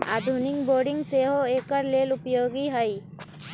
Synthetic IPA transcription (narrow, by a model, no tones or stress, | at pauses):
a̰ːd̪ʱʊnɪŋboːɾɖɪ̃ŋɡseːɦoeːkəɾleːlʊpjoːɡiɦəi